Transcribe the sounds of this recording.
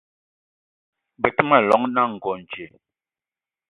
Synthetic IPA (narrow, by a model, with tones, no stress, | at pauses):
bɛ˨tə˦ma˨lɔ˨˦ŋna˦˨ŋ̩˨ɡɔ˨n̩˨t͡ʃe˨